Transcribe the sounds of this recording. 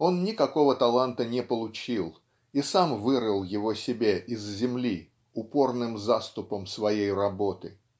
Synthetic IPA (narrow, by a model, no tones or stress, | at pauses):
o̞nnʲɪkɐko̞vət̪ɐlˠant̪ənʲɪpəlˠʊt͡ɕilˠ | isamvɨɾəlˠjɪvo̞sʲɪbʲaʔɪzzʲɪmlʲi | ʊpo̞rnɨmzast̪ʊpəmsvɐjejrɐbo̞t̪ɨ